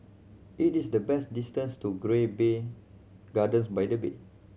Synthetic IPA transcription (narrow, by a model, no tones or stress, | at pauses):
ʔitisdəbɛstdistə̃nstuɡɹebe | ɡadə̃nsbajdəbḛ